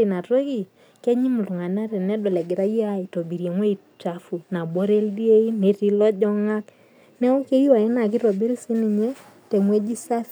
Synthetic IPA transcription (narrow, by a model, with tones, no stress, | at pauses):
i˨na˨twe˦ki˨ | ke˦ɲi˦mu˨lu˨ŋa˨na˦ɾe˨nɛ˦dɔ˨lɛ˨ɡɪ˨ɾa˦ji˦a˦ɪ˨to˨bi˨ɾje˨ŋwe˦i˨ | t͡ʃa˨fu˨na˨bɔ˦ɾe˦ldi˦e˦i˦ne˨ti˦lɔ˦d͡ʒɔ˦ŋa˦k | nɛ˦ɔ˦ke˦i˦wa˨jɛ˦na˨kɪ˦ɾɔ˨bi˦lsi˦ni˨ɲe˦ | te˨ŋwe˦d͡ʒi˦sa˦f